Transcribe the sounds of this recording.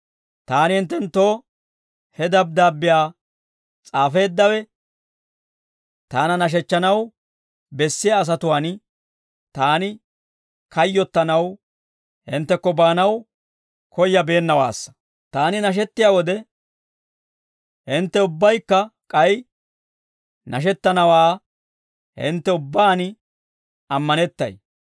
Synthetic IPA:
t̪aːnɪhɪnt̪̬ːɛnt̪ːoː | hɛd̪ɐb̚d̪aːbːɪjaː | t͡sʼaːfe̞ːd̪ːɐwɛ | t̪aːnɐnɐʃ̬ɛt͡ʃːɐnɐw | bɛsːɪjaːs̬ɐt̪ʊwaːn | t̪aːnɪ | kɐjːɔt̪ːɐnɐw | hɪ̰nt̪ːɛkːɔbaːnɐw | kʰɔjːɐbe̞ːnːɐwa̰ːsːɐ̥ | t̪aːnɪnɐʃ̬ɛt̪ːɪjaːwɔd̪ɛ | hɪnt̪ːɛʊbːɐjkːɐkʼɐj | nɐʃɛt̪ːɐnɐwaː | hɪ̰nt̪ːɛʊbːaːn | ɐmːɐnɛt̪ːɐ̰j

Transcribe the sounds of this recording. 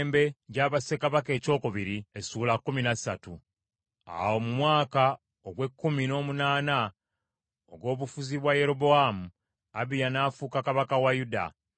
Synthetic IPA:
mbe̞ɟaːβase̞kaβake̞ːco̞ːkoβiɾiesuːlakːuminasatu | a̰wo̞mumwaːka | oɡwe̞kːumino̞ːmunaːna | o̰ɡwo̞ːβufuziβwaje̞ɾo̞bo̞amu | aβijanaːfuːkakaβakawajuda̰

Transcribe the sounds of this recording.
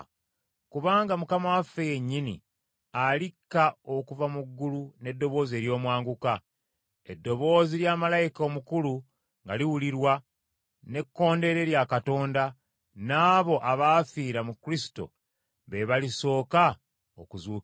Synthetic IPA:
kuβaːŋɡamukamawafe̞je̞ɲːinḭ | alikːao̞kuvamuɡːulune̞dːo̞βo̞ːzeɾjo̞ːmwaːŋɡuka | edːo̞βo̞ːziljaːmalajiko̞mukulu | ŋɡa̰liwuliɾwa | ne̞kːo̞ːnde̞ɾe̞ːɾjakato̞ːnda | naːβo̞ʔaβaːfiːɾamukɾisi̥to̞̰ | βe̞βaliso̞ːka | okuzuː

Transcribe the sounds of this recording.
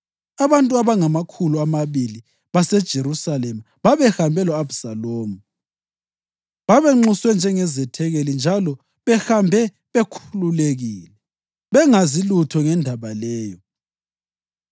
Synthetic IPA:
aβantʼuaβaŋamakʰuluamaβili | βasɛd̥ʒ̥ʱeɾusalɛma | βaβɛxambʱɛlɔabusaloːmu | βaβɛŋ͡ǁuswɛnd͡ʒʱɛŋɛzɛtʰɛɣelind͡ʒʱalɔ | βɛxambʱɛ | βekʰululeɣiːlɛ | βɛŋazilutʰɔŋɛndʱaβalɛːjɔ

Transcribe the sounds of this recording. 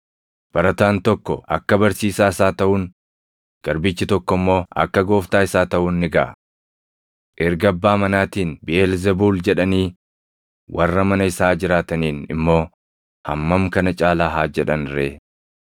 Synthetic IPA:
b̥ɐɾɐt̪aːnt̪ɔkːɔʔɐ̰kːɐbɐɾsiːsaːɪsaːt̪ɐʔuːŋ | ɡ̥ɐɾbɪt͡ʃːɪt̪ɔkːɔmːo̞ːɐ̰kːɐɡo̞ːft̪aːɪsaːt̪ɐʔuːnːɪɡɐʔɐ̰ | ʔɪɾɡɐbːaːmɐnaːt̪iːnbɪeːlzɛbuːld͡ʒɛᶑɐniː | wʔɐrːɐmɐnɐɪsaːd͡ʒɪɾaːt̪ɐniːnɪ̰mːo̞ː | hɐ̰mːɐmkɐnɐt͡ʃʼaːlaːɦaːd͡ʒɛᶑɐnɾeː

